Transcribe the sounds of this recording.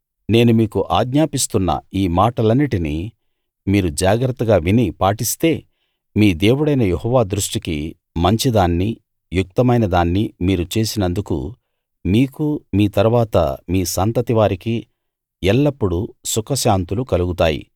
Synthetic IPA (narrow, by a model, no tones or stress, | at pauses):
ne̞ːnumiːkuʔaːɡɲaːpist̪unːɐ̰iːmaːʈɐlɐnːiʈini | miːɾud͡ʒaːɡɾɐt̪ːɐɡaːʋinipaːʈist̪e̞ː | miːd̪e̞ːwuɽɐjnɐjehɔːʋaːd̪ɾuʂʈikḭ | mɐɲt͡ʃid̪aːnːi | juk̚t̪ɐmɐjnɐd̪aːnːimiːɾut͡ʃe̞ːsinɐnd̪ukṵ | miːkumiːt̪ɐɾuʋaːt̪ɐ̰miːsant̪ɐt̪iʋaːɾiki | ɛlːɐpːuɽusukɐʃaːnt̪ulukɐluɡut̪aːjḭ